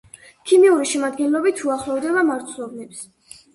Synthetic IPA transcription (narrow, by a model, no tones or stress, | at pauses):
kʰimiuɾiʃɛmad̪ɡɛnlˠɔbit̪ʰuaχlˠɔvd̪ɛbamaɾt̪sʰlˠɔbnɛps